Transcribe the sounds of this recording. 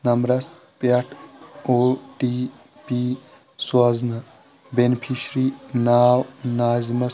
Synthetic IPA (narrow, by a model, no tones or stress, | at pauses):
nɐmɾɐs | pɐʈʰoːʈi | piː | swɐznɐ | benpʰiʃɾiːnaːwnaːzmɐs